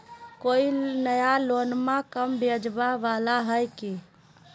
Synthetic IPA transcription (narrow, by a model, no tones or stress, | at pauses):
koinəjalonmakəmbed͡ʒbaʋalaɦəjki